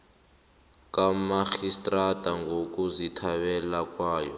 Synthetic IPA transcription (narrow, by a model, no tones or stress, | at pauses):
kʼamaxistʼratʼaŋɡʱok̬ʼuzitʰaɓɛlakʼwaːjɔ̰